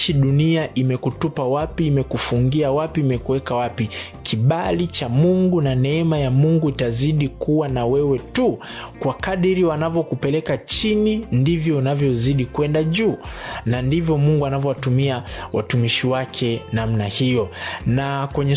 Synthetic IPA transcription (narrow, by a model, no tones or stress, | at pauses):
ʃiɗuniaʔimɛkutupawapiːmɛkufuŋɡiawapiːmɛkuwɛkawapi | kʰiɓalit͡ʃamuŋɡunanɛɛmajamuŋɡuitaziɗikuwanawɛwɛtu | kwakaɗiɾiwanavjɔkupɛlɛkat͡ʃinindivjɔunavjɔziɗikwɛndaʄuːnandivjɔmuŋɡuanavjɔwatumiawa̰tumiʃiwakʰɛnam̩nahijɔnakwɛɲɛ